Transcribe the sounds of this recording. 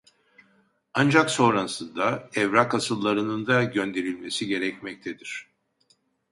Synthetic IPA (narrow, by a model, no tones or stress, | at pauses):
and͡ʒakso̞ɾansɯnd̪aɛvɾakasɯlˠːaɾɯnɯnd̪aɟø̞nd̪e̞ɾilʲme̞siɟe̞ɾɛcmɛc̚t̪ʰed̪iɾ̝̥